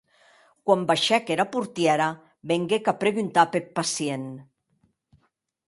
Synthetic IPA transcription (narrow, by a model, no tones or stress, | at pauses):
kwambaʃɛkeɾapuɾt̪jɛɾa | beŋɡekapɾeɣunt̪apeɾpasien